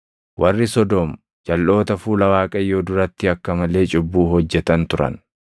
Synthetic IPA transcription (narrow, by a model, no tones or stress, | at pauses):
wʔɐrːɪsɔd̪ɔm | d͡ʒɐlːo̞ːt̪ɐfuːlɐwaːkʼɐjo̞ːd̪ʊɾɐt̪ːɪɐkːɐmɐle̞ːt͡ʃʼɪbːuːɦɔd͡ʒːɛt̪ɐnt̪ʊɾɐ̰n